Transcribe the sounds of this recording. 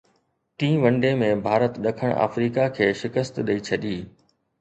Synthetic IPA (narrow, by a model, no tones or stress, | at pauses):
t̪ĩːʋɐ̃ɳɖemẽbʱaːɾət̪ɗɐkʰəɽ̃a̰ːfɾiːkakʰeːʃɪkəst̪ɗɐit͡ɕʰɐɗiː